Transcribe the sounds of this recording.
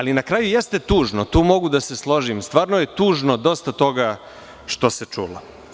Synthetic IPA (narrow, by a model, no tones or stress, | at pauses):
alinakɾaːjujest̪et̪uːʒnot̪uːmo̞ɡud̪aseslˠo̞ʒimst̪vaːɾnoje̞t̪uːʒnod̪o̞st̪at̪o̞ɡa | ʂt̪oset͡ʂuːlo